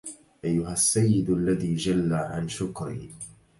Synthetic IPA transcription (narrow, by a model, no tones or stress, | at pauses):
ʔajːʊɦasːajːɪd̪ʔalːaðiːd͡ʒalːaʕanʃʊkɾḭː